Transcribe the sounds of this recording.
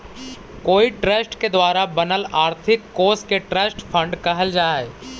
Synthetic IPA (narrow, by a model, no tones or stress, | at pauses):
koːiʈɾəsʈked̪ʋaːɾabɐnəlaːɾt̪ʰɪkːoːɾskeʈɾəsʈfʰə̃ɳɖkɐɦəld͡ʒaːɦɛː